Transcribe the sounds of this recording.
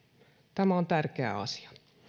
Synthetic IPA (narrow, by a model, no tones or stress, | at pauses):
t̪æmæont̪ærkeæ̰ɑ̰si̥ɑ̥